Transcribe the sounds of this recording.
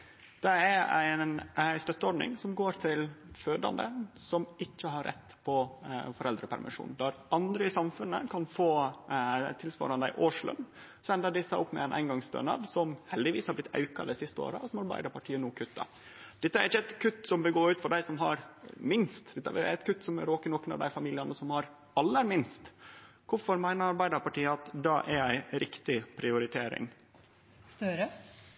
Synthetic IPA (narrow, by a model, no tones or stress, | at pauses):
d̪̥ɛæɾæ̰ɪnst̪œt̪ːəɔɖnɪ̰ŋsɔmɡoːɾt̪ʰɪlføːd̪ɑ̰nd̪ə̰sɔmɪçːəɦɑɾːʔɛ̰t̪ːpʰɔfɔɾɛld̪ɾəpʰæ̰ɾmʔɪ̰ʂṵːnd̪ɑɾʔɑnd̪ɾəɪsɑmfʉnːə̰kʰɑnfoː | t̪ɪlsʋɑ̰ːɾɑnd̪æɪʔoːʂlʉ̰m | sɔɛnd̪əɖ̪ɪsːɑʔɔpːmɛ̰ɛnʔæ̰ɪnɡɑŋsd̪ø̰ːnɑ̰ːd̪sɔmhɛld̪ɪʋiːshɑɾb̪ɪt̪ːʰɑ̰ʉkɑ̰d̪ɛsɪst̪əo̰ːɾə̰ɔsɔmɑɾbæ̰ɪd̪əɾpʰɑʈʰiːənuːkʰʉt̪ːɑ̰ | d̪̥ɛt̪ːəæɾɪçːəɛt̪kʰʉt̪ːsɔmʋɪlɡoːʉːt̪fɔɖæɪsɔmɦɑɾmɪnst̪d̪̥ɛt̪ːəʋɪ̰ɛt̪kʰʉt̪ːsɔmæɾoːkənɔkənɑ̰ʋd̪æɪfɑmiːlɪɑnəsɔmhɑɾ | ɑlːəɾmɪnst̪ | kʊfɔɾmæɪnəɾɑɾbæɪd̪əɾpɑʈiːəɑt̪d̪ɑːʔæɾæɪɾʔɪkt̪ɪpʰɾɪʊɾɪt̪ʰeːɾɪ̰ŋ | st̪œɾə